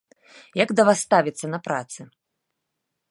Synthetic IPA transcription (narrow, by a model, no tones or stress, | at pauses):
jɐɡd̪ɐvast̪avʲit̪sːɐnɐpɾa̰t̪sɨ